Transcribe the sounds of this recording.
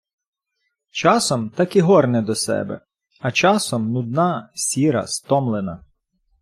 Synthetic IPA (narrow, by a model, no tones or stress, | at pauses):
t͡ʃɑsɔmt̪ɑkiɦɔrnɛd̪ɔsɛ̰bɛ̰ | ɐt͡ʃɑsɔmnʊd̪nɑsʲiɾɐ̰st̪ɔmlˠenɐ̰